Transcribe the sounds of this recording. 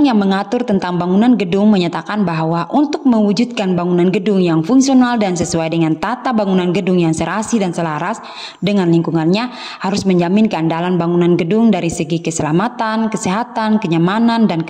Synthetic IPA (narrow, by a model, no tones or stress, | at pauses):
ŋjaŋməŋat̪ʊrt̪ənt̪aŋbaŋunanɡədʊŋməɲat̪akanbaɦwaʔunt̪ʊk̚məwud͡ʒud̪̚kanbaŋunanɡədʊŋjaŋfuŋksionaldansəsuajdəŋant̪at̪abaŋunanɡədʊŋjaŋsəɾasidansəlaɾas | dəŋanliŋkuŋanɲa | haɾʊsməɲd͡ʒamɪnkəandalanbaŋunanɡədʊŋdaɾisəɡikəsəlamat̪ankəsɛɦat̪ankəɲamanandan